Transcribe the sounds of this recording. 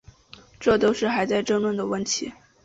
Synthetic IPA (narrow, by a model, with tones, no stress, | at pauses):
ʈ͡ʂɤ˥˩t̪o˥ʊʂɻ̩˥˩xa˧˥ɪt͡sa˥˧ɪʈ͡ʂə˥˧ŋlwə˥˩nd̪ə˩wə˥˩nt̪ʰḭ˧˥